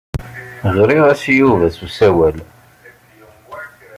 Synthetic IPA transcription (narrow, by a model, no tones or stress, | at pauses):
ʁɾiʁæsijuvæθusæwæl